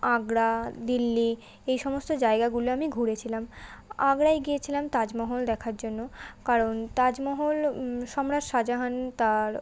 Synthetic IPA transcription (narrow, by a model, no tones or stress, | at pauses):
aɡɾad̪ilːi | ejʃɔmost̪od͡ʑaeɡaɡuloamiɡʱuɾet͡ɕʰilamaɡɾajɡiet͡ɕʰilamt̪ad͡ʑmɔɦold̪ɛkʰaɾd͡ʑonːokaɾont̪ad͡ʑmɔɦolʃɔmɾaɾʃad͡ʑaɦant̪aɾ